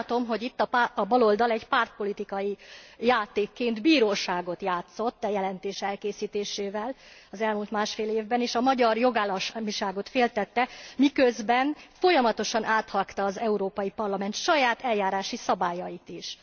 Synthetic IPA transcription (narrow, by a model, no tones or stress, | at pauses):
t̪o̞mɦo̞ɟit̪ːɒpɒbɒlo̞ld̪ɒlɛɟpart̪̚po̞lit̪ikɒjijaːt̪eːkːeːnd̪biːɾoːʃaːɡo̞t̪jaːt̪so̞t̪ːɛjɛlɛnt̪eːʃɛlkeːsiːt̪eːʃeːvɛlɒzɛlmuːlt̪maːʃfeːleːvbɛneːʃɒmɒɟɒrjo̞ɡaːlːɒmiʃaːɡo̞t̪feːlt̪ɛt̪ːɛmikøzbɛnfo̞jɒmɒt̪o̞ʃɒnʔaːt̪hɒkt̪ɒːzɛuɾoːpɒjipɒrlɒmɛnt̪ʃɒjaːt̪ɛlːaːɾaːʃisɒbaːjɒjit̪iʃ